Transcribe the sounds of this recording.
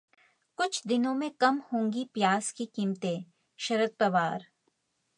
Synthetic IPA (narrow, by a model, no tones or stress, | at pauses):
kʊt͡ʃʰd̪ɪnõmẽkɐmhõːŋɡipjaːskikiːmt̪e | ʃɐɾət̪̚pɾɐʋaːɾ